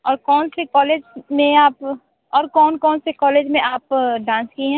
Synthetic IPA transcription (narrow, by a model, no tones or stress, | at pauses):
ɔːɾkɔːnsekɔːleːd͡ʒmẽaːp | ɔːɾkɔːnkɔːnsekɔːleːd͡ʒmẽʔaːpɖãːnskiɦɛ̃ː